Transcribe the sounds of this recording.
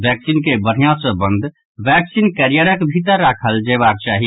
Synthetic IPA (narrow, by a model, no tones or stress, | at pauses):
ʋɛksinkebəɾ̤ijãsə̃bə̃nd̪ʱ | ʋɛksinkəɾijəɾəkbʱit̪əɾːakʰəld͡ʒeβak̚t͡ʃaːɦi